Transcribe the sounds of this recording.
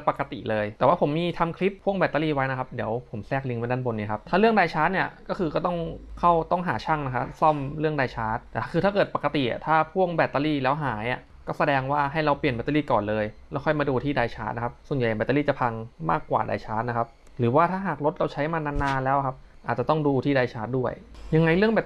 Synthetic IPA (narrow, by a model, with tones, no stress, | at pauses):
pa˨˩ka˧t̪ḭ˨˩lɤː˧jt̪ɛ˨˩waː˥˩o˩˦mːiː˧t̪ʰa˧mkʰli˦˥p̚ʰːu˥˩əŋbɛː˨˩t̪ːa˧liː˥˩wa˦jna˦kʰa˦˥p̚di˩˦əwpʰo˩˦msɛː˥˩k̚li˧ŋma˧jda˥˩nbo˧nːiː˦˥˩kʰa˦˥p̚t̪ʰaː˥˩lɯ˥˩əŋdaː˧jt͡ɕʰaː˦˥t̪̚ni˥˩əkɔː˥˩kɯː˧kɔː˥˩t̪ɔ˥˩ŋkʰa˥˩wt̪ɔ˥˩ŋɦaː˩˦t͡ɕʰa˥˩ŋna˦˥kʰa˦˥sɔ˥˩mɾɯ˥˩əŋdaː˧jt͡ɕʰaː˦˥t̪̚ɛː˨˩˥kʰɯː˧aː˥˩kɤː˨˩t̪̚pa˨˩kːa˧t̪i˨˩ʔa̰˨˩t̪ʰaː˥˩pʰu˥˩əŋbɛː˨˩t̪ːa˧liː˥˩lɛː˦˥wɦaː˩˦jʔa̰˨˩ | kɔː˥˩sa˧dɛː˧ŋwaː˥˩ɦa˥˩jɾa˧wpli˨˩ənbɛ˧˩t̪a˧liː˥˩kɔː˨˩nlɤː˧jlɛː˦˥wkʰɔ˥˩jmaː˧duː˧t̪ʰiː˥˩daː˧jt͡ɕʰaː˦˥t̪na˦kʰa˦˥p̚su˨˩ənja˨˩jbɛː˨˩t̪ːa˧liː˥˩t͡ɕa˨˩pʰa˧ŋma̰ː˥˩kːwa̰ː˨˩da̰ː˧jt͡ɕʰaː˦˥t̪̚na˦˥kʰa˦˥p̚ | ɾɯː˩˦waː˥˩t̪ʰaː˥˩ɦaː˨˩k̚ɾo˦˥t̪̚ɾa˧wt͡ɕʰa˦˥jmaː˧naː˧˥nːaː˧nlɛː˦˥wʔa˨kʰa˦˥p̚ | ʔaː˨˩t͡ɕa˨˩t̪ɔ˥˩ŋduː˧t̪ʰiː˥˩daː˧jt͡ɕʰaː˦˥t̪̚du˥˩əjja˧ŋa˧jlɯ˥˩əŋbɛː˨˩